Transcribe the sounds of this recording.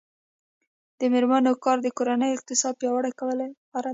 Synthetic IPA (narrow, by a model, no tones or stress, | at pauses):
d̪̥əmeɾmanokɑɾd̪əkoɾanəjɪq̚t̪ɪsɑd̪̚pjɑwəɽajkawəla | aɾa